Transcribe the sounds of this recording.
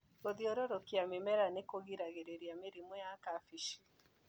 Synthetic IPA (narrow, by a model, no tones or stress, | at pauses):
ɣoðiɔɾɔɾokiamemɛɾanekoɣiɾaɣeɾeɾjameɾimɔjakafiʃi̥